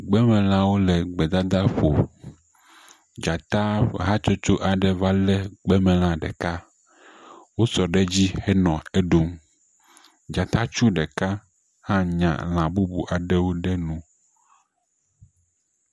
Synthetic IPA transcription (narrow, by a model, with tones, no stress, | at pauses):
ɡ͡bɛ˦mɛ̃˨l̃ã˦wo˦lɛ˨ɡ͡bɛ˨d̪a˦d̪a˦ɸo˨ | d͡ʒa˨t̪a˦ɦa˦t͡ʃo˦t͡ʃo˦ʔa˨ɖɛ˦va˦lɛ˦ɡ͡bɛ˦mɛ̃˨l̃ã˦ɖɛ̰˨ka˦ | wo˦sɔ˨ɖɛ˦d͡ʑi˦hɛ˦nɔ̃˨e˦ɖo˦m | d͡ʒa˨t̪a˦t͡ʃu˦ɖɛ˨ka˦ | hã˦ɲã̰˨l̃ã˨bu˦bu˨ʔa˨ɖɛ˦wo˦ɖɛ˦nũ˨